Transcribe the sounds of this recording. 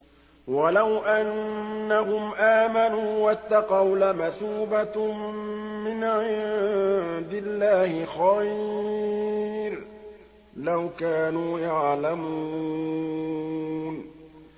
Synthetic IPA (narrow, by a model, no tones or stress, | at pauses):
walawʔanːahʊmʔaːmanuːwat̪ːɑqɑwlamaθuːba | mɪnʕɪ | d̪ɪlːaːhɪxaj | ɾ | lawkaːnuːjaʕlamu | n